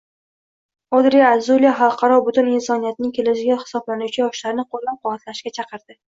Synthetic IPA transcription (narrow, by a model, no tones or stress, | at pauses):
ɒd̪ɾeazulijaχɑlˠqʰɑɾɒbʊt̪ʊnɪnsɒnijat̪̚nɪŋʲkʲʰe̞lɪʃɪɡʲaχɪ̥sɒblanʊt͡ʃʰajɒʃlaɾɪnɪqʰolˠːap̚qʰʊwat̪laʃkʲat͡ʃʰɑqʰɨɾd̪̥ɪ